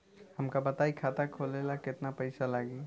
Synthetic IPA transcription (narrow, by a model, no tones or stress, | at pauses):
həmkabət̪aikʰat̪akʰolelaket̪napəjsalaɡi